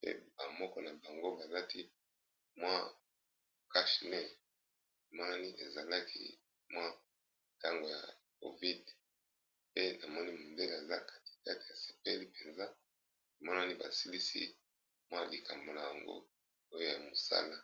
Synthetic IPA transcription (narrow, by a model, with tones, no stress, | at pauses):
pḛ˦ba˨mɔ˦kɔ˦na˨ba˨ŋɡo˦ba˨la˦ti˦ | mwa˦˨ | ka˦ʃnɛ˦˨ | i˨mɔ˦na˦ni˦ʔe˨za˨la˦kʰḭ˦ | mwa˦ | ta˦ŋɡo˨ja̰˨k̚o̰˨vi˦d | pe˦na˨mɔ˦ni˦ma˨mbe˦la˨za˦kḁ˦ti̥˨ka˦ti̥˨ja˨se̥˨pe˦li˦pe˨nza˦˨ | mɔ˦na˦ni˦ba˨si˦li˦sḭ˦ | mwa˦li˨kʰa˨mbo˨na˨ja˨ŋɡo̰˦ | o˦jo˦ja˨mo˨sa̰˦la˦